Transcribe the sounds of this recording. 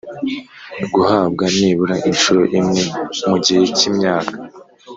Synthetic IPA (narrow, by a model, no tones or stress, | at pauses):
ɡuhaːb̚ɡaniβuɾaʔinʃuɾo̞ʔimŋe̞muɟihe̞cimɲaːkḁ